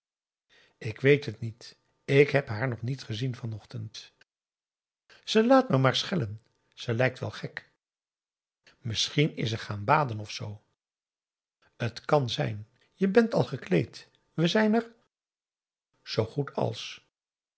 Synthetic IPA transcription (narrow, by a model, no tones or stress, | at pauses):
ɪkʋejtɦətnit | ɪkɦɛpɦaːɹnɔχnitχəzinvɑnɔχtənt | z̥əlaːtməmaːɹsχɛlən | z̥əlɛjk̚tʋɛ̰lˠχɛk | mɪsχinɪ̰səχaːnbaːdənɔfsow | ətkɑnzɛ̰jn | jəbɛntɑ̰lˠχəklejt | ʋəzɛjnəɹ | z̥owχutɑ̰lˠs